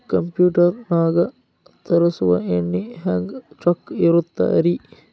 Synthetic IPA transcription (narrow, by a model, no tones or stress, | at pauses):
kɐmpjuːʈɐrnaːɡɐ | t̪ɐɾɐsuʋɐenːihæŋɡt͡ʃɐkːiɾut̪ːɐ̰ɐɾi